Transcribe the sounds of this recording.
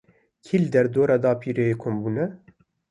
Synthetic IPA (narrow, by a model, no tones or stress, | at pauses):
kʰiːld̪ɛɾd̪oːɾɑːd̪ɑːpʰiːɾejekʰombuːnɛ